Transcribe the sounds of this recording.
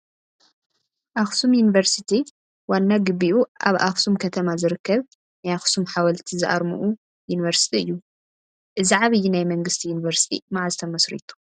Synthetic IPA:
ʔaxsumjunivɐɾsit̪ʰi | wanːaɡɨβiʔuʔa̰βʔaxsumkʰɐt̪ʰɐmazɨɾɨkːɐβ | najaxsumħawɐlt̪ʰizɨʔa̰ɾmṵʔu | juniβɐɾsi̥t̪ʰiɨ̰jːu | ʔɨziʕaβɨjːinajmɐŋɡɨst̪ʰijunivɐɾsi̥t̪ʰḭmaʕazt̪ʰɐmɐsɾḭt̪ʰu̥

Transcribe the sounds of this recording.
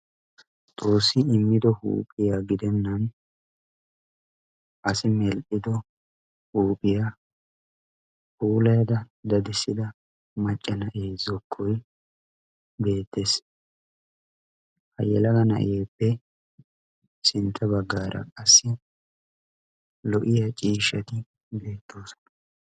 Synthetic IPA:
t̪ʼoːsːɪɪmːɪd̪ɔhṵːpʼɪjaːɡɪd̪ɛnːɐn | ʔɐsɪmɛlʔɪd̪ɔ | huːpʼɪjaː | huːlɐjɐd̪ɐd̪ɐd̪ɪsːɪd̪ɐ | mɐt͡ʃʼːɐnɐʔjeːzɔkʰːɔj | be̞ːt̪ːe̞ːs | hɐjɛlɐɡɐnɐ̰ʔɪ̰jeːpːɛ | sɪnt̪ʰːɐbɐɡːaːɾʔɐ̰kʼɐsːɪ | lɔʔɪjat͡ʃʼiːʃɐt̪ɪ | be̞ːt̪ʰːoːsɔ̥n

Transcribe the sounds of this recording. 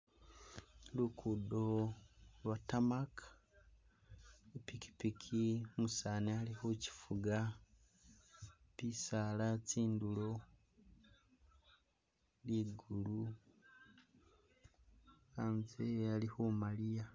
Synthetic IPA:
lukʰudo | lwatamakʰḁ | epiki̥pikʰimusanealixuci̥fuɡa | pisalat͡siːndulo̞ | liːɡulu | aːnzealixumalija

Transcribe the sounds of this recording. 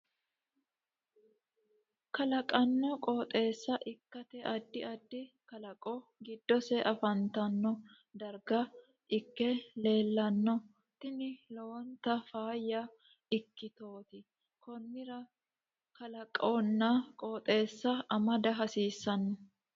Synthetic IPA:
kɐlɐkʼɐnːɔkʼoːt̪ʼe̞ːsːɐʔɪkːɐt̪ɛʔɐd̪ːɪɐd̪ːɪ | kɐlɐkʼɔɡɪd̪ːɔsɛʔɐfɐnt̪ɐnːɔ | d̪ɐɾɡɐ | ʔɪkːɛle̞ːlːɐnːɔ | t̪ːɪnɪlont̪ːɐfaːjːɐ | ɪkːɪt̪o̞ːt̪ɪ | kʰɔnːɪɾɐ | kɐlɐkʼonːɐkʼoːt̪ʼe̞ːsːɐɐmɐd̪ɐɦɐsiːsːɐnːɔ

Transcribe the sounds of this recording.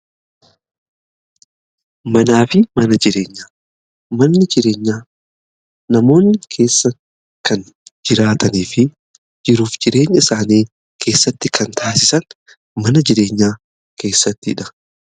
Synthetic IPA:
mɐnaːfɪmɐnɐd͡ʒɪɾe̞ːɲːaː | mɐnːɪd͡ʒɪɾe̞ːɲːaː | nɐmo̞ːnːɪkʰe̞ːsːɐ | kɐn | d͡ʒɪɾaːt̪ʰɐniːfɪ | d͡ʒɪɾuːfd͡ʒɪɾe̞ːɲːɐsaːniː | kʰe̞ːsːɐt̪ːɪkʰɐnt̪ʰaːsɪsɐn | mɐnɐd͡ʒɪɾe̞ːɲːaː | kʰe̞ːsːɐt̪ːɪɪᶑɐ̥

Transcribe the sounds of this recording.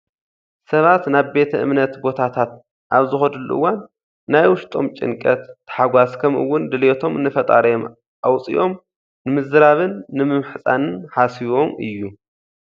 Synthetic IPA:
sɐβat̪naβbe̞t̪ʰɐʔɨmnɐt̪bo̞t̪ʰat̪ʰat̪̚ | ʔaβzɨxɐd̪ɨlːṵʔɨ̰wːanː | ajwʊʃt̪ʼo̞mt͡ʃʼɪ̰ŋkʼɐt̪ːɨ̥ħaɡʷaskʰɐmʔɨ̰wːʊnd̪ɨlot̪ʰo̞mnɨfɐt̪ʼa̰ɾɐjom | ʔawt͡sʼḭʔo̞m | nɨmɨzɨɾaβɨnːɨmɨmħɨsʼanɨnħasiβo̞mʔɨ̰jːu

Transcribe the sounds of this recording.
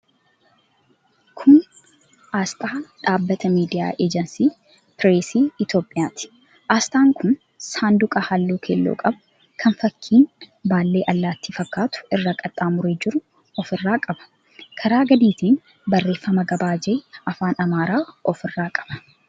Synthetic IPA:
kʰʊn | ʔaːst̪ʼaːᶑaːbːɐt̪ɐmiːd̪ɪja̰ːʔeːd͡ʒɛnsiː | pɪɾeːsiːɪt̪jo̞ːpʼːɪjaːt̪ɪ̥ | ʔaːst̪ʼaːŋkʰʊn | saːnd̪ʊkʼɐhalːuːkʰeːlːo̰ːkʼɐb | kʰɐnfɐkʰːiːnbaːlːe̞ːʔɐlːaːt̪ːifɐkːaːt̪ʊ̥ɪrːakʼɐt̪ʼːaːmʊɾeːd͡ʒɪɾʊ | ɔfɪrːaːkʼɐbɐ̥ | kʰɐɾaːɡɐd̪iːt̪iːn | bɐrːe̞ːfːɐmɐɡɐbaːd͡ʒɛɐfaːnɐmaːɾaːɔfɪrːaːkʼɐ̥b̥ɐ̥

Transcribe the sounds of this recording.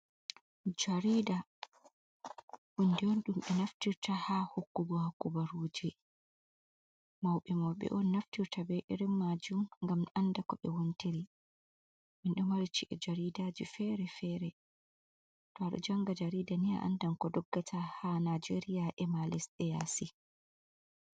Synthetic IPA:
d͡ʒaɾiːda | hundɛɔnɗumɓɛnaftiɾtahahokːubɔhakːubaɾud͡ʒɛ | mawɓɛmɔwɓɛ̰ʔɔnːaftiɾtabɛjʔiɾimːad͡ʒumŋɡamandakɔɓɛwontiɾi | minɗɔmaɾit͡ʃiʔɛd͡ʒaɾidaːd͡ʒifɛɾɛfɛɾɛ | tɔaɗɔ̰d͡ʒaŋɡad͡ʒaɾiːdania̰ʔa̰ndankɔdɔɡːatʰahanad͡ʒeɾijaʔɛmalɛsɗɛja̰si

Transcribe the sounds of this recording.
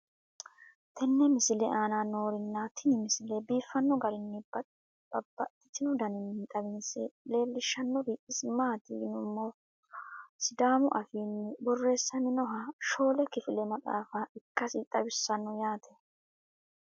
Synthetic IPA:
t̪ʰɛnːɛmɪsɪlɛʔaːnaːno̞ːɾɪnːat̪ʰɪnɪmɪsɪlɛbiːfːɐnːɔɡɐɾɪnːɪ | bɐbːɐ̰ʔɪt̪ːɪnʊd̪ɐnɪnːɪt̪ʼɐbɪnsɛle̞ːlːɪʃːɐnːɔɾiːʔɪsmaːt̪inʊmːɔ | sɪd̪aːmʊʔɐfiːnːɪbɔrːe̞ːsːɐmɪnɔɦɐʃo̞ːlɛkɪfɪlɛmɐt͡sʼa̰ːfɐɪkːɐsit̪ʼɐbɪsːɐnːɔjaːt̪ʰɛ̥

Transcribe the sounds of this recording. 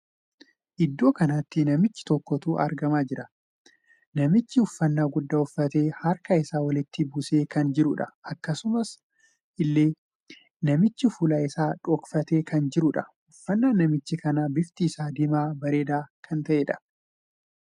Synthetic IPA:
ʔɪd̪ːo̞ːkɐnat̪ːɪnɐmɪt͡ʃːɪ̥t̪ɔkːɔt̪uːʔɐ̰ɾɡɐmaːd͡ʒɪɾɐ | nɐmɪt͡ʃːɪʊfːɐnːaːɡʊd̪ːaːʊfːɐt̪e̞ːhɐɾkɐɪsaːwɐlɪt̪ːɪbʊse̞ːkɐnd͡ʒɪɾʊᶑɐ̰ʔɐkːɐsʊmɐs | ʔɪlːeː | nɐmɪt͡ʃːɪfʊlaɪsaːᶑɔkfɐt̪e̞ːkɐnd͡ʒɪɾʊᶑɐ | ʊfːɐnːaːnɐmɪt͡ʃːɪkɐnabɪft̪iːsaːd̪ɪmaːbɐɾe̞ːd̪aːkʰɐnt̪ɐʔeːᶑɐ̥

